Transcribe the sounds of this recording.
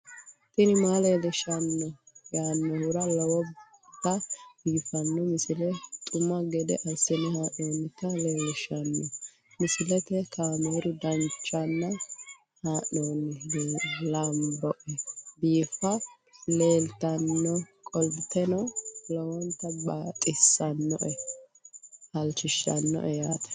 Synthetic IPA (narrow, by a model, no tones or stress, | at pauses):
t̪ɪnɪmaleːlɛʃɐnːɔ | jaːnːɔhʊɾɐlɔwɔ | t̪ːɐd̪̥iːfɐnːɔmɪsɪlɛt̪ʼʊmːɐɡɛd̪ɛ̰ʔɐsːɪnɛhaːʔoːnːɪkɐleːlɛʃɐnːɔ | mɪsɪlɛt̪ɛkameːɾʊd̪ɐnt͡ʃʼːɐnːɐ | haːnːoːnːɪlɐmbɔʔɛbiːfɐ | le̞ːlt̪ɐnːɔkʼɔlbɪt̪ɛnɔlɔwɔnt̪ːɐbaːt̪ʼɪsːɐnːɔ̰ʔɛ | hɐlt͡ʃːɪʃːɐ̰nːɔ̰ʔɛjaːt̪ɛ̥